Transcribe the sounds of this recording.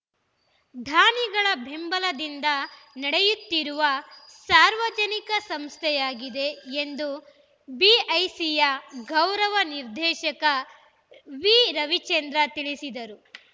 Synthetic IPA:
d̪ʱaːniɡɐɭɐbʱembɐlɐd̪ind̪ɐnɐɽejut̪ːiɾuʋɐsaːɾʋɐd͡ʒɐnikɐsɐmst̪ʰɛjaːɡid̪e̞ːnd̪u | biɐjsijɐɡɐwɾɐʋɐniɾd̪ʱɛːʃɐkɐ | ʋiːɾɐʋit͡ʃend̪ɾɐt̪iɭisid̪ɐɾu

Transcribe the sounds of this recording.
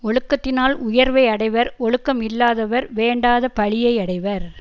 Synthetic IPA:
ɔɻɯkːɐt̪ːɪnaːlʊjɐɾʋɐɪɐɽɐɪʋɐɾɔɻɯkːɐmɪlːaːðɐʋɐɾʋeːɳɖaːðɐpɐɭɪjɐɪɐɽɐɪʋɐɾ

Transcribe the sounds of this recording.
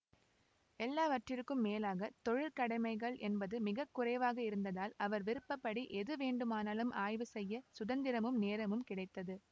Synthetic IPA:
ɛlːaːʋɐʈrɪɾkːɯmːeːlaːɣɐt̪ɔɻɪlkɐɽɐɪmɐɪɣɐɭʔɛnbɐðɯmɪɣɐkːʊrɐɪʋaːɣɐɪɾɯnd̪ɐðaːlɐʋɐɾʋɪɾɯpːɐpːɐɽiʔɛðɯʋeːɳɖɯmaːnaːlɯmʔaːjʋɯsɛjːɐsʊðɐnd̪ɪɾɐmɯmneːɾɐmɯmkɪɽɐɪt̪ːɐðɯ

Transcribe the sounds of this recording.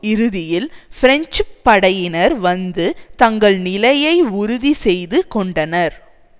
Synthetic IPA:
ɪɾɯðɪjɪlfɪɾɛɲt͡ʃpːɐɽɐjɪnɐɾʋɐnd̪ɯt̪ɐŋɡɐɭnɪlɐjɐɪʊɾʊðisɛjðɯkɔɳɖɐnɐɾ

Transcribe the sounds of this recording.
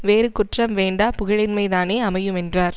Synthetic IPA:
ʋeːɾɯkːʊʈrɐmʋeːɳɖaːpʊɣɐɻɪnmɐɪðaːneːɐmɐjɯmɛndraːɾ

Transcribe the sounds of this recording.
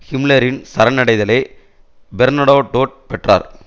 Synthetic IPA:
hɪmlɐɾɪnsɐɾɐnɐɽɐɪðɐlɐɪ | bɛɾnɐɽoːʈoːʈ̚pɛʈra̰ːɾ

